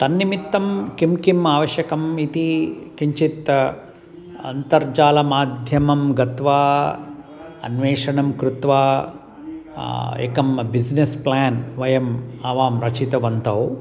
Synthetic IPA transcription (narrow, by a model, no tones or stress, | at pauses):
t̪ɐnːimit̪ːɐmkimkimaːʋɐʃjɐkɐmit̪ikiɲt͡ʃit̪ | ɐ̰nt̪ɐɾd͡ʒaːlɐmaːd̪ʱjɐmɐmɡɐt̪ʋaː | ɐ̰nʋɛːʂɐɳɐmkɾut̪ʋaː | ḛkɐmbid͡ʒnesplaːnʋɐjɐmaːʋaːmɾɐt͡ʃit̪ɐʋɐnt̪ɐw